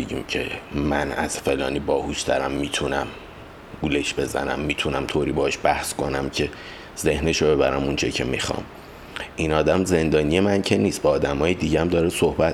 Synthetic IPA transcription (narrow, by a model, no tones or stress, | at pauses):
beɟḭːmcʰḛmænæ̰z̥fe̞lɒ̰ːniːbɒːhuʃt̪ʰæɾæmːiːt̪ʰunæm | ɡuleʃbe̞zæ̰næ̰mːiːt̪ʰunæmt̪ʰoːɾiːbɒhɒʃbæhskʰo̞næmcʰe̞ | z̥e̞hneʃobe̞βæɾæ̰munt͡ʃʰecʰemixɒ̰ːm | inɒːd̪æmze̞nd̪ɒːnije̞mæncʰeniːst̪bɒːd̪æmɒːjed̪iɟeæmd̪ɒːɾesohbæt̪